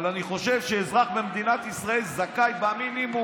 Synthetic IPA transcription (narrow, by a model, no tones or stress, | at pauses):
laniχo̞ʃe̞vʃeːzʁaχbemd̪inat̪isʁaelzakajbaminimu